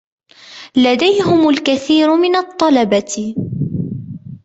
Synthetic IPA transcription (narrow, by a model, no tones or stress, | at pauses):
lad̪ajɦʊmalkaθiːɾmɪnɑt̪ˤːɑlɑbat̪